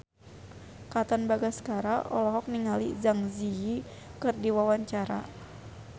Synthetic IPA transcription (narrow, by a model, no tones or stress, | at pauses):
kat̪ɔnbaɡaskaɾaʔɔ̰lɔɦɔk̚niŋalḭzaŋzii | kɨrdiwawaɲt͡ʃaɾa̰